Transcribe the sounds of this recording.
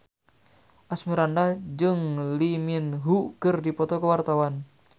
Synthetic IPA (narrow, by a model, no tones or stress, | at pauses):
ʔasmiɾandad͡ʒɨŋliminɦukərdipɔt̪ɔkəwart̪awan